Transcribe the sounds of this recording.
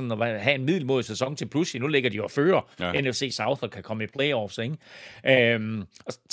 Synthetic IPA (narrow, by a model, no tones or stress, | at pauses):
ɒ̽nɒʋæɦæe̝nmið̰ˠl̩mo̝ð̰ˠsesɒ̽ŋt͡sʰe̝lpʰluslinuleɡ̥ɐd̥ijoɒføːɐenefse̝̰ːsɑ̈ʊðɒkʰækʰɒ̽məipʰleɪɒːfseɡʔømɒ̽